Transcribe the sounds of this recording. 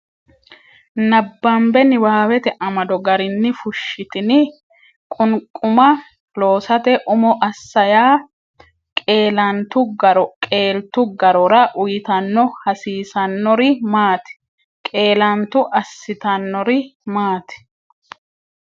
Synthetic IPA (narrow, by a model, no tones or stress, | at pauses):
nɐbːɐmbɛnɪwaːwɛt̪ɛʔɐmɐd̪ɔɡɐɾɪnːɪfʊʃːɪt̪ɪnɪ | kʼʊnkʼːʊmɐ | lo̞ːsɐt̪ɛʔʊmɔʔɐsːɐjaː | kʼeːlɐnt̪ʊɐɾkʼeːlt̪ʊɡɐɾɔɾɐʔʊjɪt̪ɐnːɔhɐsiːsɐnːɔɾɪmaːt̪ɛ̥ | kʼe̞ːlɐnt̪ʊʔɐsːɪt̪ɐnːɔɾɪmaːt̪ɛ̥